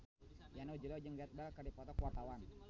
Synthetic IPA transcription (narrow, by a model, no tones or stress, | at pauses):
janod͡ʒəlɔd͡ʒəŋɡiat̪̚bakardipɔt̪ɔkuwart̪awan